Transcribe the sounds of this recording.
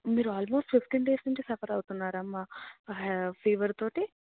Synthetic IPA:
miːɾuaːlmoːsʈiskeɳɖɖeːsɐɳʈisɐpʰɐɾɐwt̪unːaːɾaːmaː | pʰiːʋɐɾt̪oːʈi

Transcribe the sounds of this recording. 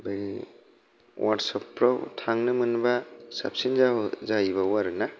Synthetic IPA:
baɡi | wʔatsɔpːɾawtʰaŋnɯmɯnbasa̰p̚sinzazajbawaɾɯna

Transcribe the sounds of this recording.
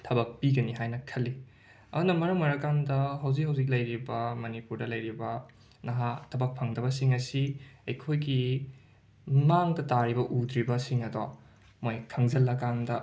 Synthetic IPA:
tʰɐbɐk̚piɡɐniɦajnɐkʰɐlːi | ɐ̰dunɐmɐɾɐŋmɐɾɐkandɐɦɐwzik̚hɐwzik̬̚lɐjɾibɐmɐnipuɾdɐlɐjɾibɐ | nɐɦatʰɐbɐk̚pʰɐŋdɐβɐsiŋɐsiɐjkʰojɡi | maŋdɐtaɾibɐʔudɾibɐsiŋɐdo | mojkʰɐŋzɐlːɐkandɐ

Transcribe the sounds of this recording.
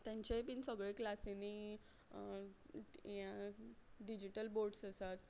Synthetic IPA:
t̪jãɲt͡ɕepinsəɡɭeklaseni | jã | ɖid͡ʑiʈəlboɾɖsəsat̪

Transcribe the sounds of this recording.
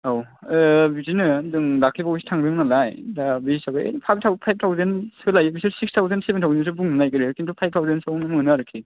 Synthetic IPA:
aw | bizinɯdɯŋdak̚ʰibawbisi̥tʰaŋdɯŋnalajdabisabɯḛpʰajb̚tʰawpʰajb̚tʰawzensɯlajɯbisɯsikstʰawzensebentʰawzens̬ubuŋnɯnajkɯɾikintʰupʰajb̚tʰawzensɯwnɯmnɯaɾɯkʰːi

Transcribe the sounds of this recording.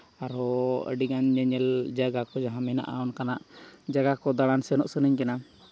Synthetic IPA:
aɾɔə̰ɖiɡanɲɛɲɛld͡ʒaɡakɔd͡ʒaɦamɛna̰ʔa̰ɔnkanaʔd͡ʒaɡakɔd̪aɽansɛnɔʔsənəɲkɛna

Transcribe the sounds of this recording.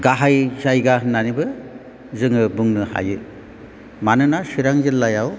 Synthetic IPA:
ɡaɦajzajɡananibɯ | zɯŋɯbɯŋnɯha̰jɯ | manɯnasiɾaŋzɯlːajaw

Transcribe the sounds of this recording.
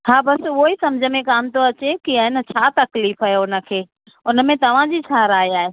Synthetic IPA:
haːbɐsʊoisɐmd͡ʑʱəmẽkaːmt̪oɐt͡ɕekiəɦɪnə̆t͡ɕʰaːt̪ɐkliːfɐɦeʊnə̆kʰeː | ʊnə̆mẽt̪ɐʋ̤ãd͡ʑit͡ɕʰaːɾaːeaːɦeː

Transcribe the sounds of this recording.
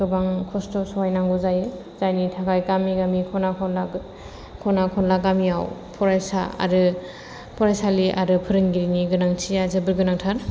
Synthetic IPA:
kʰɯbaŋkʰɔstɔsɔwajnaŋɡuzajɯ | z̥ajnitʰaɡajkamiɡamikʰɔnakʰɔnla | kʰɔnakʰɔnlaɡamiawpʰɔɾajsa̰a̰ɾɯ | pʰɔɾajsaliʔa̰ɾɯpʰɯɾɯŋɡiɾiniɡɯnaŋt͡ʃʰijazɯbɯɾɡɯnaŋtʰaɾ

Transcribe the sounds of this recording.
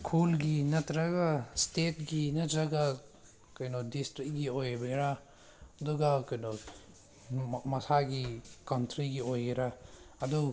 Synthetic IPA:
kʰulɡinɐtɾaɡastet̚ɡinɐd͡ʒaɡa | kajnodistɾik̚ɡiojbeɾa | ɐduɡakɐjnɔ | mɐsaɡikawntɾiɡiojeɾaːdu

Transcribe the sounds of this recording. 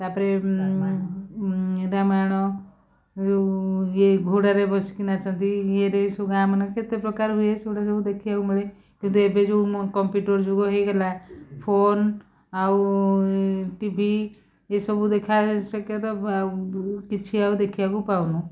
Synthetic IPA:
t̪apɾe | ɾamaɽ̃ɔ | d͡ʒojeɡʱuɽaɾebʱɔsi̥kinat͡ʃʰə̃nt̪ijeɾesɔɡamaneket̪epɾɔkaɾɦujesoɽas̬ɔbud̪ekʰiakumile | kint̪̬uebed͡ʒokɔmpjuʈəɾd͡ʒuɡoɦeɡelapʰon | au | ʈibʱi | jesɔbud̪ekʰasəkjet̪ɔ | kit͡ʃʰiaud̪ekʰiakupawnũ

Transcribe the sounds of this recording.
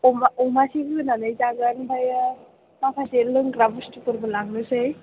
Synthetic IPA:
ɔmaɔmasiɡɯnanɯjzaɡanbʱajɯ | mapʰaselɯŋɡɾabustupɯɾbɯlaŋ̚nɯsɯj

